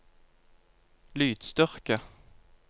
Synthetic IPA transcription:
lyːd̪̥st̪œʁkə

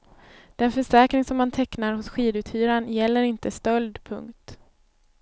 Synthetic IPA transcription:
d̪̥ɛnfœʂɛːkɾɪŋsɔmːant̪ʰɛknaɾɦʊsɧiːd̪ʉ̟ːt̪hyːɾanjɛlːəɾɪnt̪əst̪œld̪pʰɵ̰ŋkt̪

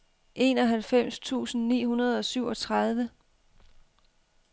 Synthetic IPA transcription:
ʔe̝̰ːnɒ̽ɦælfem̰st͡sʰṵːsn̩nḭːɦunɐð̞ˠɒ̽syʊ̰ɒ̽t͡sʰʁɑð̞ˠʋə

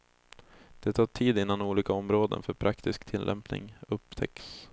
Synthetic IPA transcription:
d̪̥ɛt̪ʰɑːʈʰiːd̪ɪnːanuːliːkaɔmɾoːd̪ə̰nfœɾpʰɾʔakt̪ɪskt̪ʰɪlːʔɛ̰mpnɪ̰ŋɵpt̪ʰɛ̰ks

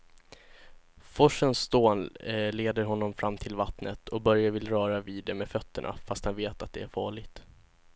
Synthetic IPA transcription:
fɔʂənsːt̪oːnleːd̪əɾɦɔnːɔmfɾʔamːt̪ʰɪlvat̪nət̪ʰɔbœɾjavɪlɾœːɾaviːd̪ːɛmɛfœt̪ːəɳʔa̰fast̪hanveːt̪at̪̚d̪ɛæɾfɑːɭɪɡt̪

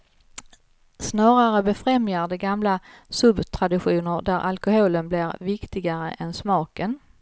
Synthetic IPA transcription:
snɑːɾaɾəbɛfɾɛmjaɖ̪ɛɡamlasɵbt̪ʰɾad̪ɪɧuːnəɾd̪æɾʔa̰lkʊɦoːlənblɪɾvɪkt̪ɪɡaɾə̰ʔɛnsmɑːkən

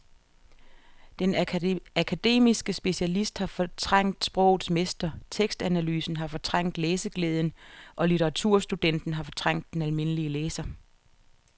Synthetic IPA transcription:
d̥enækʰæd̥e̝̰ːmisɡ̥əsb̥e̝ɕælisd̥hɑ̈fɒ̽t͡sʰʁäŋ̰d̥sb̥ʁɔ̽ʊ̰ð̩ˠsmesd̥ɐt͡sʰeɡ̥sd̥ænælyːsn̩ɦɑ̈fɒ̽t͡sʰʁɑŋ̰d̥leːsəɡ̥leːð̞ˠn̩ʔɒ̽lit͡sʰəʁɑ̈t͡sʰuɐ̰sd̥ud̥en̰d̥n̩ɦɑ̈fɒ̽t͡sʰʁɑ̈ŋ̰d̥ːenælme̝nəliəleːsɐ

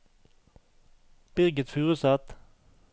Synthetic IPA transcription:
b̥ɪʁɡət̪fʉːʁəsɑt̪

